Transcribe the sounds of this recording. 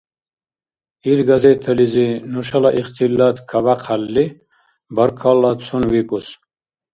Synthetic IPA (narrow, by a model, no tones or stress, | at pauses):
ilɡɐzet̪ʰɐlizinuʂɐlaʔiχt̪ilːat̪kʰɐbaqʰɐlːi | bɐɾkʰalːat̪t͡sʰunwikus